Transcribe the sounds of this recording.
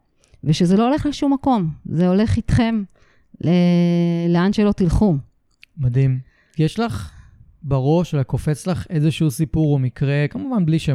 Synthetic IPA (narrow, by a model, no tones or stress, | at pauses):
veʃezeloole̞χleʃumːako̞mzeo̞le̞χit̪χe̞m | leleanʃelo̞t̪ilχu | mad̪im | jeʃlaχ | baʁo̞ʃelako̞fet͡slaχezeʃuusipuʁomikʁe̞kamuvanbliʃe